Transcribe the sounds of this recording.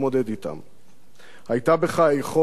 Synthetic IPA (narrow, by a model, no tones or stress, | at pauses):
mo̞d̪ed̪it̪a̰m | hajt̪abeχajeχo̞